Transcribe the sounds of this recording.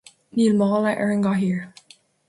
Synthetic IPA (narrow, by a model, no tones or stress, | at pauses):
nilmɔlaʔɛɹɛ̃ŋɡɑɦiɹ